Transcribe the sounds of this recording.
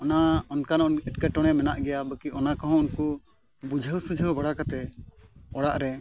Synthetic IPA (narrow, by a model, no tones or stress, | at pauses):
ɔnaɔnkanɔnɛʈkaʈɔɽ̃ɛmɛnaʔɡɛjabəkiɔnakɔɦɔ̃ɔnku | bud͡ʒʱəwsud͡ʒʱəwbaɽakat̪ɛ | ɔɽaʔɾɛ